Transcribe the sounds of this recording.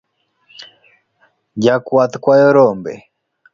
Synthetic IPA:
d͡ʒakwat̪kwajɔɾɔmbɛ̰

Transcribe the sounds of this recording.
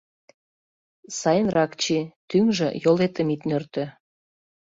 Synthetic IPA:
sɑjənrɑkt͡ɕit̪yŋʒə̰jolet̪əmit̪nørt̪ø̆

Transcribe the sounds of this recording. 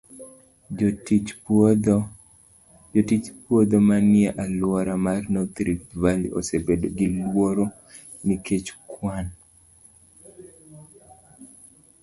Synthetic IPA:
t | d | d͡ʒotit͡ʃpwod̪omanɪɛʔalwɔɾamarnɔt̪ɾipvalio̰sebedoɡilwoɾo | niket͡ʃkwan

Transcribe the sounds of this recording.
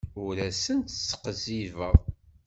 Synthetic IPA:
ʊɾæsənt̪sːə̥qəzivəðˤ

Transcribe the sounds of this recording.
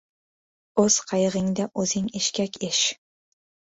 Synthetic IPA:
ɵz̥qʰɑjʁɪŋd̪aʔɵzɪŋeʃkʲakʲʰeʃ

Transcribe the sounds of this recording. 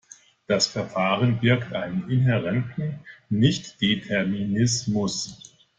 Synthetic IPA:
d̥asfɛɐfaːʁənbɪɐktʔaɪnənɪnɛʁɛntn̩nɪçtd̥etʰɛɐminɪsmʊs

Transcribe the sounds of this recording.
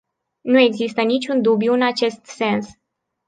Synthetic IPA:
nue̞ɡzist̪ənit͡ʃʲund̪ubjuɨnat͡ʃe̞st̪se̞ns

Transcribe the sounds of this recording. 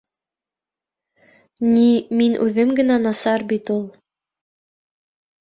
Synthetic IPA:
niminʔʉðɘmɡɘ̆nænɑsɑɾbit̪ulˠ

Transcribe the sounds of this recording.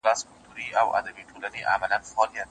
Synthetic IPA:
æskʰolt̪ʰuɾiːʔæwæ̰d̪æbiːt̪ʰolæniːʔæmælænfɒːlijæt̪

